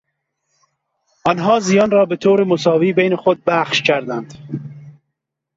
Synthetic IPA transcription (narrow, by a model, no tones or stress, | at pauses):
ɒnɦɒːzijɒːnɾɒːbet̪ʰoːɾemosɒːviːbejnexod̪̚bæχʃcʰæɾd̪ænd̪̥